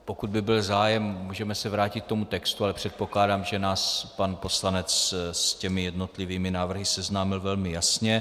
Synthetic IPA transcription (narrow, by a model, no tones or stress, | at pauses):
po̞kud̪̚bɪbɪlzaːjɛmmuːʒɛmɛsɛvɾaːcɪt̪k̚t̪o̞mut̪ɛkst̪ualɛpr̝̥ɛt̪̚po̞klaːdaːmʒɛnaːspanpo̞slanɛt͡sscɛmɪjɛdno̞t̪lɪviːmɪnaːvr̩ɦɪsɛznaːmɪlvɛlmɪjasɲɛ